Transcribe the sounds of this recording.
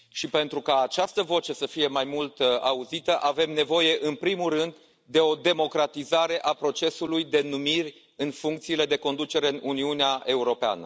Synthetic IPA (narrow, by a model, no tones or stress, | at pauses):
ʃipe̞nt̪ɾukaːt͡ʃast̪əvo̞t͡ʃe̞səfije̞majmult̪auzit̪əʔave̞mne̞vo̞je̞ʔɨnpɾimulrɨnd̪ː | e̞o̞d̪e̞mo̞kɾat̪izaɾe̞ʔapɾo̞t͡ʃe̞sulujd̪e̞numirʲ | ɨnfuŋk̚t̪siːle̞d̪e̞ko̞nd̪ut͡ʃe̞ɾe̞ɨnuniuneaʔe̞uɾo̞pea̰nə̰